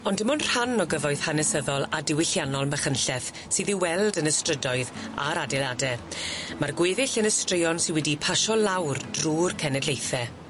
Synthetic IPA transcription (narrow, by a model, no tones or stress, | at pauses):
ɔndəmɔnr̥hanɔɡəvɔɨð̥hanɛsəðɔlˠadɪwɪɬjanɔlˠməχənɬɛθ | siːðiwɛlˠdənəstrədɔɨða̰ɾadɛladɛmarɡweːðɪɬənəstrɪjɔnsɪnwɛdipʰaʃɔlawrd̥ruːrkʰɛnɛdlejθɛ